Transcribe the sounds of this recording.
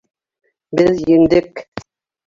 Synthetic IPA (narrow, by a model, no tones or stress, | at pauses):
beljin̩dek